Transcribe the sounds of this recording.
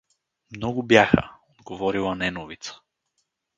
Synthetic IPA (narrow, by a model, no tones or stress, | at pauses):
mnɔɡʊbjaxə̰od̪ɡovɔɾilˠɐnɛnovit̪sə̥